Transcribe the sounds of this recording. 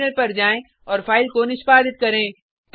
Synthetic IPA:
nəɾpɐɾd͡ʒaːẽ | ɔːɾfaːɪlkonɪʃpaːd̪ɪt̪̚kɐɾẽː | t̪

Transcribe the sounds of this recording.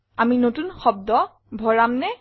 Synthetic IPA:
aminotunxɔb̚dɔ | bʱɔɹamnɛ

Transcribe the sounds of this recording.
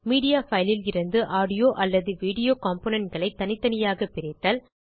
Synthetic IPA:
miːɽɪjaːfɐɪlɪlɪɾɯnd̪ɯʔaːɽɪjoːʔɐlːɐðɯʋiːɽɪjoːkaːmpoːnɛɳʈɡɐɭɐɪt̪ːɐnɪt̪ːɐnɪjaːɣɐpɪɾɛt̪ːaːl

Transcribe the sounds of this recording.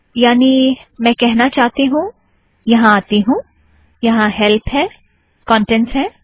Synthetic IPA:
jaːnimɛ̃kɛɦnat͡ʃaːɦt̪iɦũ | jɐɦãaːt̪iɦũ | jɐɦãɦɛlpʰɦɛː | kɔ̃ːɳʈɛ̃ɳsɦɛː

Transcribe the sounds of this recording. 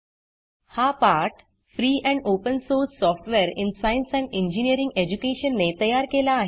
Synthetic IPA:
hapaɾʈ | fɾiːʔɛ̃ɳɖopənsoɾsːɔfʈʋeɾinsainsɛ̃ɳɖĩɲd͡ʑinijəɾĩŋɡed͡ʑukeɕənːet̪əjaɾkelaːɦe

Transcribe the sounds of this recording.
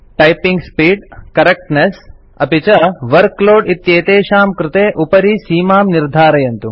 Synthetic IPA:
ʈɐjpiŋɡspiːɖkɐɾek̚ʈnes | ɐpit͡ʃɐʋɐɾkloːɖit̪jeːt̪eːʃaːmkɾɪt̪eːʔupɐɾisiːmaːmniɾd̪ʱaːɾɐjɐnt̪u

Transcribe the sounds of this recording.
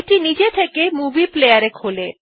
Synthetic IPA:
ʈinid͡ʑet̪ʰekemubiplejaɾekʰole

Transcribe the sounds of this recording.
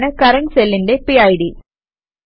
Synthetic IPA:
nɐkɐɾɐŋsɛlːɪnɖepiɐɪɽi

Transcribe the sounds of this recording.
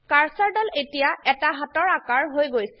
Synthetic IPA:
kaɹsaɹdɔletijaɛtaɦatɔɹakaɹɦojɡojsɛ̥

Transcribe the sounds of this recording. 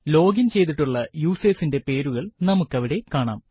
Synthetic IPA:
lo̞ːɡint͡ɕe̞jt̪̬iʈːuɭːɐjuːseːsinde̞pe̞ːɾuɣɐɭnɐmukːɐʋiɽe̞kaːɳa̰ːm

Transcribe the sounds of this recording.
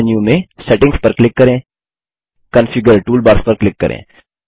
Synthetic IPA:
njumẽsɛʈɪ̃ŋɡspɐɾklɪkːɐɾẽː | kɐ̃nfɪɡəɾʈuːlbaːɾspɐɾklɪkːɐ̰ɾʔḛ̃ː

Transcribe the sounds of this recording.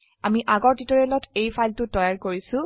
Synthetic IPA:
amiʔaɡɔɹtitɔɹiɛlɔtʰejpʰajltʊtɔjaɹkoɹisʊ̃

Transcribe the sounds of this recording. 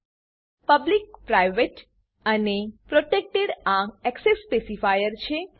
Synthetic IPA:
pəblik̚pɾajʋeʈ | ənepɾoʈek̚ʈeɽãɛksesːpesifajəɾt͡ʃʰe

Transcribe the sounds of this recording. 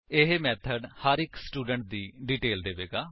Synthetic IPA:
ɪɦmɛːt̪ʰəɖhəɾɪksʈuːɖəɳʈ̚d̪iːɖiːʈeːld̪eːʋeːɡaː

